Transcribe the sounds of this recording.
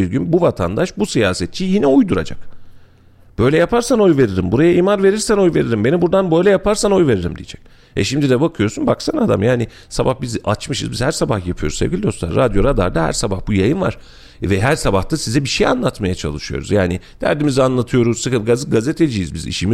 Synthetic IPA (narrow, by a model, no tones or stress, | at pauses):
iɾɟynbuvat̪ʰand̪aʃbusijaːsɛt̪̚t͡ʃʰijinɛujd̪uɾa̰d͡ʒa̰k | b̥ø̞jlʲɛjapʰaɾsano̞jve̞ɾiɾimbuɾajaiːmanve̞ɾiɾsæno̞jve̞ɾiɾimbe̞nibuɾd̪anbø̞jlʲɛjapʰaɾsano̞jve̞ɾiɾḭmd̪ijɛ̰d͡ʒɛc̚ | ɛ̰ʃimd̪id̪ɛbakʰɯjo̞ɾsunbaksanad̪a̰mjaːni | sabahbizat͡ʃmɯʃɯ̰zbizhæɾsabaxjapʰɯjo̞ɾuzsevɟilʲid̪o̞slˠa̰ɾːad̪jo̞ɾad̪a̰ɾd̪ahæ̰ɾsabahbujajɯnva̰ɾ̥ | vɛɦæɾsabaxt̪ʰasizɛbiʃeja̰nlˠat̪majat͡ʃʰa̰lˠɯʃɯjo̞̰ɾṵzjaːni | d̪̥æ̰ɾd̪imizianlˠat̪ʰɯjo̞ɾuzsɯkɯfɡazɯɡazet̪ʰed͡ʒijizbizḭʃimi